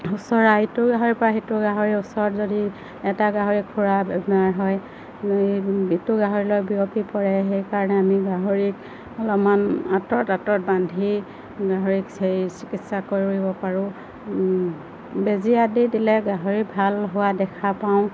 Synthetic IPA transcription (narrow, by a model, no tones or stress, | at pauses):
usɔɹaitʊɡaɦoɹipɔɹaɦetʊɡaɦoɹiusɔɹɔtzodi | ɛtaɡaɦoɹikʰuɹabɛbɔnaɹɦɔj | itʊɡaɦoɹilɔjbiɹopipɔɹɛɦejkaɹɔnɛamiɡaɦoɹik̚ | ɔlɔmanatɔtatɔt̚bandʱi | ɡaɦoɹikejsikitsakoɹiuɹibɔpaɹʊ̃ | beziadidilɛɡaɦoɹibʱalɦʊwadɛkʰapaʊ̃